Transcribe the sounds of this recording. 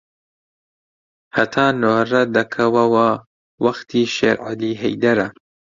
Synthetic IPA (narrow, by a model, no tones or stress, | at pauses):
hɐt̪ʰaːnoːrɐd̪ɐkʰɐwɐwɐ | wɐxt̪ʰiːʃḛɾʕɪ̰liːɦɛjd̪ɐɾɐ